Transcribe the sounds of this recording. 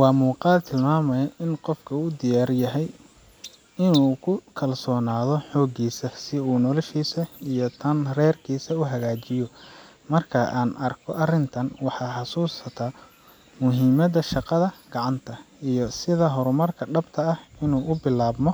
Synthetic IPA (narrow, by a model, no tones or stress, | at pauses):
wɑːmuːqɑːd̪t̪ʰɪlmaːmɐjɐʔɪnqɔfkʰɐuːd̪ɪjaːrjɐɦɛj | ɪnuːkʰʊkʰɐlsɔːnaːðɔħɔːɡiːsɐsɪuːnɔlɐʃiːsɐijɔt̪ʰɐnrɛːrkʰiːsɐuɦɐɣaːt͡ʃɪjɔ | mɐrkʰɐʔaːnʔɐrkʰɔ̰ʔɐrɪnt̪ʰɐnwɑħɑːħɑsuːsɐt̪ʰaː | mʊɦiːmɐðɐʃɑqɑðɐɡ̥ɑʕɑnt̪ʰɐijɔsɪðɐɦɔɾʊmɐrkʰɐɖɐbt̪ʰɐːhɪnuːʔʊbɪlaːbmɔ